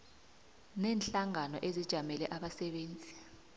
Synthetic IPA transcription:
nɛːnɬaŋanɔʔezid̥ʒ̥ʱamɛlɛʔaɓasɛɓeːnd͡zʱi

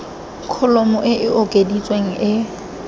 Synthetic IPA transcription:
kʰʊlɔmɔʔɪʔɪokʼedit͡sʼweŋ̩ʔɪ

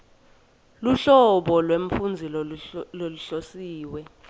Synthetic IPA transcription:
luɬɔɓɔlweɱfund͡zʱilloluɬosiːwɛ

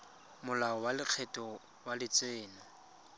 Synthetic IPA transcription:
mʊlaɔwalɪq͡χʰɛtʼɔ | walɪt͡sʼweːnɔ

